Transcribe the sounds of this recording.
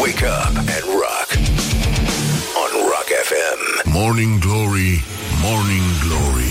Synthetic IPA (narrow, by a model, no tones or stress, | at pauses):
weɪkʰʌpɨ̃nɹɑ̰k | ə̃nɹɑ̰kɛfɛ̃mmɔɹnɪ̃ŋɡlɔɹi | mɔɹnɪ̃ŋɡlɔɹḭ